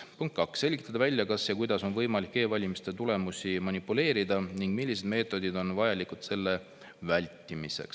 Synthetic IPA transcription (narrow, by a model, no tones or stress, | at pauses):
puŋkt̪̚kɑksːe̞lʲɡ̥it̪ːˑɑd̪ɑvælʲːjɑkɑsjɑkujd̪ɑso̞nvɤjmɑlikːe̞ːvɑlʲimist̪e̞t̪ule̞musimɑnipːule̞ːɾid̪̥ɑniŋɡ̥milːis̬e̞d̪me̞ːt̪ːˑo̞d̪id̪o̞nvɑjɑlikud̪̥se̞lːe̞ | vælʲt̪ˑːimise̞̰ks